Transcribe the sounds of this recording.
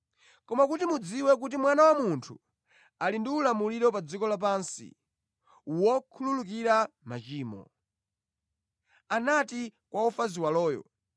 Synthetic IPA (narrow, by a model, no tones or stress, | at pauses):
kɔmakutimud͡ziwɛk̬utimwanawamuntʰu | alindiulamuliɾɔpad͡zikɔlap̬ansḭ | uwɔkʰululuk̬iɾa | mat͡ʃiːmɔ̰ | anatikwaufaziwalɔːjɔ̰